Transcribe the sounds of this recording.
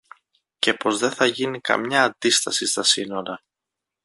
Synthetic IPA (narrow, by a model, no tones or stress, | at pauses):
ce̞po̞zðe̞θɐʝinikɐ̰mɲɐːnd̪ist̪ɐsist̪ɐsino̞ɾɐ